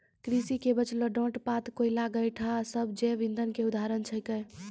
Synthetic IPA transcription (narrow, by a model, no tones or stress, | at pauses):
kɾisikebət͡ʃləɖõʈpat̪koilaɡəjʈʰasəbd͡ʒeʋĩnd̪ʱənkeud̪ʱaɾənt͡ʃʰəkə